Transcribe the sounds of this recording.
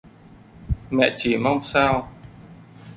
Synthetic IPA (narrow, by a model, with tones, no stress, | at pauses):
mɛ̰˧˨t͡ɕi˨˩˦ma˧wŋ͡msaː˧w